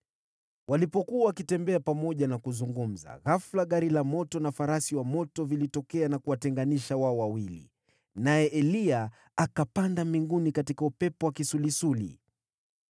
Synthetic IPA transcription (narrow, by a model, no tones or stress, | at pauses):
wʔalipɔkuawakitɛmbɛapamɔʄanakuzuŋɡum̩za̰ɣaflaɠaɾilamɔtɔnafaɾasiwamɔtɔvilitɔkɛanakuwatɛŋɡaniʃawaɔwawilḭ | najɛʔɛlia | akapandamiŋɡunikatikaupɛpɔwakisulisulḭ